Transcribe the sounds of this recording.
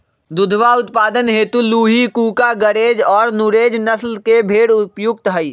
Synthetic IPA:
d̪ʊd̪ʱʋaʊt̪paːd̪ənɦeːt̪uluːɦikuːkaɡəɾeːd͡ʒɔːɾnʊɾeːd͡ʒnəslkebʱeːɽʊpjʊk̚t̪ɦəi

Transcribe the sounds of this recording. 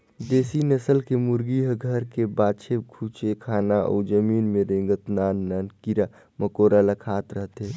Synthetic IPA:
d̪eːsinəsəlkemʊɾɡiɦɡʱəɾkebaːt͡ʃʰekʰut͡ʃekʰaːnaʔɔ̰ːd͡ʒəmiːnmẽɾẽːŋɡət̪naːnːaːnkiɾa | məkoːɾalakʰaːt̪ɾəɦt̪ɦe

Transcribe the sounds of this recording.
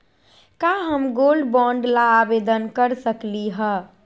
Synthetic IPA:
kaɦəmɡoːlɖbɔ̃ːɳɖlaːbed̪ənkəɾsəkliɦɛ

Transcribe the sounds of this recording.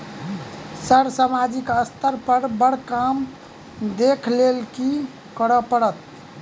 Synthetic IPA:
səɾsamad͡ʒikəst̪ʰəɾpəɾbəɽkam | d̪ekʰlelki | kəɾəpəɽət̪

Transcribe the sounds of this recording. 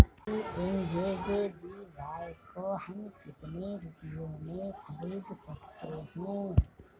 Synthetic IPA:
iʔend͡ʒeːd͡ʒebiʋaːkohəmkɪt̪neɾʊpjõmẽxɐɾiːd̪sɐkt̪ehɛ̃ː

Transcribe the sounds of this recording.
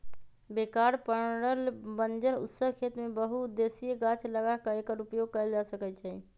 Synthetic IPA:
bekaɾpəɾɾəlbənd͡ʒəɾṵt̪səɦkʰet̪mebəɦud̪esijeɡat͡ʃʰləɡakəekəɾupjoɡ̚kəjld͡ʒasəkɛt̪t͡ʃʰɛ

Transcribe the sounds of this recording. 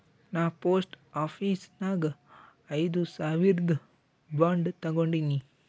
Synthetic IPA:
naːpoːsʈ | aːpʰiːsnaːɡɐ | ɐjd̪usaːʋiɾɡ̪ | baːɳɖt̪ɐɡoɳɖini

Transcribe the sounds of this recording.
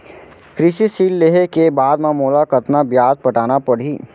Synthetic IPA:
kɾɪʃisiːlːeːɦekebaːd̪mamoːlakɐt̪nabjaːzpɐʈaːnapɐɽ̤iː

